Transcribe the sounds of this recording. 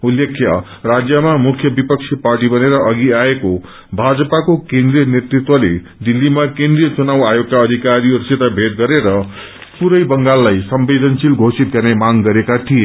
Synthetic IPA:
ulːekʰːjʌ | rad͡zjʌmamukʰːjʌbipʌk̚sʰiparʈibʌneɾʌʔʌɡiaeko | bʱad͡zʌpakokẽnd̪rijʌnet̪rit̪wʌle | d̪ilːimakẽnd̪rijʌt͡sunawajoɡ̚kaʌd̪ʱikaɾioɾset̪abʱet̪̚ɡʌɾeɾʌ | puɾʌjbʌŋɡalːajsʌmbed̪ʱʌnsilɡʱosit̪̚ɡʌrnemaŋɡʌɾekat̪ʰije

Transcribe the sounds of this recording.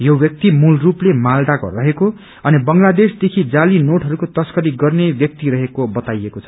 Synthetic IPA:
jobjʌk̚t̪imulruplemald̪akrʌɦeko | ʌnibʌŋlad̪esd̪ekʰid͡zalinoʈɦʌɾukot̪ʌskʌɾiɡʌrnebjʌk̚t̪iɾʌɦekobʌt̪ajekot͡sʰʌ̥

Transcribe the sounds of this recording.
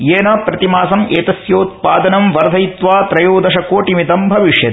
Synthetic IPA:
jeːnɐpɾɐt̪imaːsɐmeːt̪ɐsjoːt̪̚paːd̪ɐnɐmʋɐɾd̪ʱɐjit̪ʋaːt̪ɾɐjoːd̪ɐʃɐkoːʈimit̪ɐmbʱɐʋiʂjɐt̪

